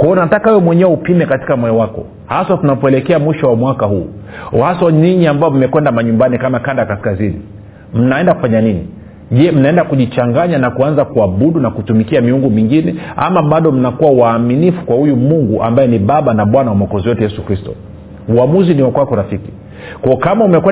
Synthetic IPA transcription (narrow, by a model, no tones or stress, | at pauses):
kwaɔunatakaɔmwɛɲɛwɛupimɛkati̥kamwɔjɔwakɔ̰ | hasatunapɔɛlɛkɛamwiʃɔwamwakahuː | hasɔniɲiambajɔm̩mɛkwɛndamaɲumbanikamakandakaskazini | m̩naɛndakufaɲanini | ʄɛm̩naɛndakuʄit͡ʃaŋɡaɲanakuanzakuaɓuɗunakutumikiamiuŋɡumiŋɡinɛa̰maɓaɗɔm̩nakuwauwaːminifu̥kwahujumuŋɡuʔa̰mbajɛniɓaɓanaɓwanawamakɔziwɛtɛjɛsukɾistɔ̰ | uamuziniwakwakɔɾafiki | kɔɔkamaumɛkwɛ